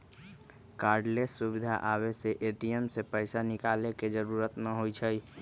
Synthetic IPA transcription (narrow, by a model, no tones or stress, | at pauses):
kaːɾɖlesːubɪd̪ʱa̰ʔaːweseʔeʈiemsepəɪsanɪkaːleked͡ʒəɾuːɾət̪nəɦoit͡ʃʰəi